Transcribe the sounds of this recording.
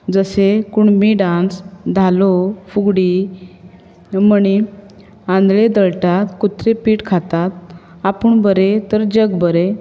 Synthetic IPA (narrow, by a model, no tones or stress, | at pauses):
d͡zəsekuɳmiɖãnsd̪ʱalofuɡɽi | məni | ãnd̪led̪əɭʈat̪kut̪ɾepiːʈkʰat̪at̪̚ | apuɳbəɾet̪əɾd͡ʑəɡbəɾe